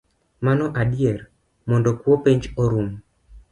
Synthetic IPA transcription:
manɔʔadjɛr | mɔndɔkwɔpeɲd͡ʒoɾum

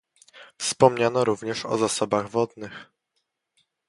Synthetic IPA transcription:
fspɔmɲanɔɾuvɲɛʂɔ̰zasɔbaɣvɔd̪nɘx

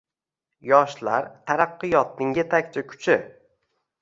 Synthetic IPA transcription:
jɒʃlaɾt̪ʰaɾaqːɨjɒt̪̚nɪŋjet̪ʰakʲt͡ʃʰakʲʰʊ̥t͡ʃʰɪ

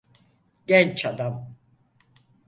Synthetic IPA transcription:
ɟɛnt͡ʃʰad̪am

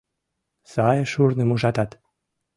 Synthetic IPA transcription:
sɑjəʃurnemuʒɑt̪ɑt̪

